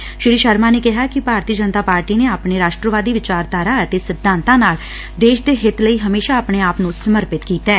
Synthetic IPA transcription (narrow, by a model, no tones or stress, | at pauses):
ʃɪɾiːʃəɾmaːneːkɪɦaːkɪbʱaːɾt̪iːəd͡ʒənt̪aːpaːɾʈiːneːaːpɳeːɾaːʃʈɾəʋaːd̪iːʋɪt͡ʃaːɾd̪aːɾaːət̪eːsɪd̪ʱːãːnt̪ãːnaːl | d̪eːʃd̪eːɦɪt̪ləiːɦəmeːʃaːpɳ̃eːaːpnũsəməɾpɪt̪kiːt̪ɛɛː